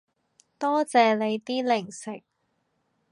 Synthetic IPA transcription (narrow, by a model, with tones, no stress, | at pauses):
t̪ɔː˥t͡sɛː˧le˨˧jt̪iː˥lɪ˨˩ŋsɪ˨k̚